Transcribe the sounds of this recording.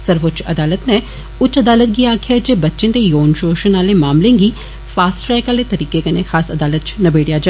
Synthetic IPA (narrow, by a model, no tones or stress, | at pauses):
səɾʋot͡ʃɐ̰d̪aːlət̪nɛ̃ | ʊt͡ʃɐd̪aːlət̪̚ɡiaːkʰad͡ʒeːbɐtːʃẽːt̪ejoːnʃoːʃənaːlemaːmlẽːɡiː | faːsʈɾɛːkaːlet̪ɐɾiːkekenexaːsɐd̪aːlət̪̚t͡ʃnɐbeːɽijaːd͡ʒa